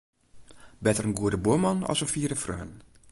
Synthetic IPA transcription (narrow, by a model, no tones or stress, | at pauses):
bɛtərənɡuədəbuəmɑnɔ̰sənfiːdəfrø̰ːn